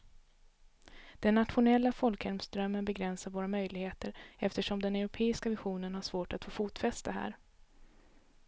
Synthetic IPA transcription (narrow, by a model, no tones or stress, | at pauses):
d̪̥ɛnːat̪ɧʊnɛlːafɔlkhɛɾmsd̪ɾœmːənbɛɡɾɛnsaɾvoːɾamœjlɪɡheːt̪əɾɛft̪əʂɔmd̪ɛnɛɾʊpʰeːɪskavɪɧuːnənhaʂvoːʈat̪foːfuːt̪fɛst̪aɦæ̰ːɾ